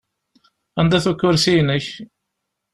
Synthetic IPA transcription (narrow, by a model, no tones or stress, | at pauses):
ænd̪æθukːʊɾsijnəç